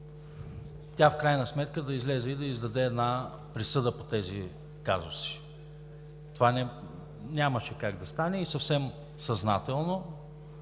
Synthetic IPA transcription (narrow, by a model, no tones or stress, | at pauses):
t̪ʲafkɾajnɐsmɛt̪kəd̪ɐizlɛzɛid̪ɐizd̪ɐd̪ɛːd̪na | pɾisɤd̪əpot̪ɛzi | kazo̰si̥ | t̪ovanɛ | nʲaməʃɛkaɡ̚d̪ɐst̪anɛisɐfsɛm | sɐzna̰t̪ɛlˠno